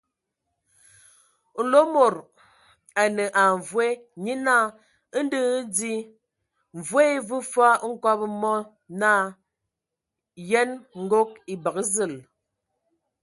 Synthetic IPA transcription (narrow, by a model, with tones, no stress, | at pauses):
n̩˦lo˦mo˨ɾ | a˨nə˨ʔa˨ɱ˨vwe˦ɲi˦na˦˨˦ | n̩˦dɨ˦d͡zi˦˨ | vwe˦vɨ˦fa˦ŋ̩˦kɔ˦pmɔ˦ | na˦˨ | jɛ˦nŋ̩˦ɡo˦k̚i˨bə˨kə˦zə˦˨l